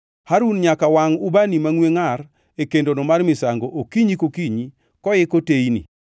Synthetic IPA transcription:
haɾunɲakawaŋʊbanimaŋweŋar | ekendonomarmɪsaŋɡoʔokiɲikokiɲi | kɔjɪkoteinḭ

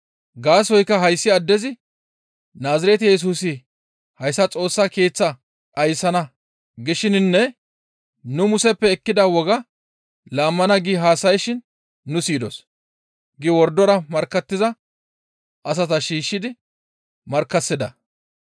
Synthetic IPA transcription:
ɡaːsɔjkːɐɦɐjsːɪɐd̪ːɛzɪ | naːzɪɾɛt̪ɪjɛs̬uːsɪ | hɐjsːɐt͡sʼo̞ːsːake̞ːt͡sːɐ | ʔɐjsɐnɐ | ɡɪʃɪnnːɛ | nʊmʊsɛpːɛːkːɪd̪ɐwɔɡɐ | laːmːɐnɐɡiɦaːsɐjʃɪnː | ʊsiːd̪ɔs | ɡɪwɔɾd̪ːɔɾɐmɐɾkːɐt̪ːɪzɐ | ʔɐs̬ɐt̪ɐʃiːʃːɪd̪ɪ | mɐɾkːɐsːɪd̪ɐ

